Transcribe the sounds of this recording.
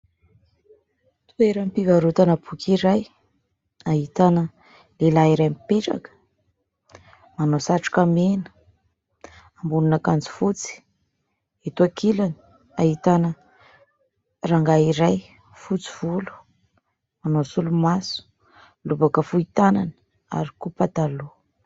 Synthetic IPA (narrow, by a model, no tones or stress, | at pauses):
t̪u̥eɾampiɡaɾut̪anəbukʲiɾaj | aɦit̪anə | lelaiɾajmipeʈ͡ʂa̰kə̥ | manosaʈ͡ʂu̥kamenə̥ | ambununakant͡si̥fut͡si̥ | et̪uakilani̥ | aɦit̪anə | raŋɡaiɾaj | fut͡si̥v̥ulu̥ | manosulumasu̥ | lubakəfuit̪ananə | a̰ɾikupat̪alu